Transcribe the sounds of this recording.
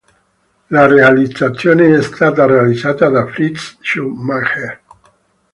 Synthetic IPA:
larealit͡sat͡sjoneest̪at̪arealizat̪aðafɾitsʃumaxe

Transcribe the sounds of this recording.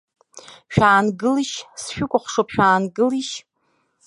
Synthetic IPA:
ʃᶣaːnɡɨliʃsʃᶣʊkʷʼʊχʷʂopʰʃᶣaːnɡɨliʃ

